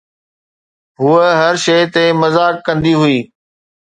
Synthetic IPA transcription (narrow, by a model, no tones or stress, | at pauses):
ɦuəɦɐɾʃeɪt̪emɐzaːkːɐ̃nd̪iɦʊiː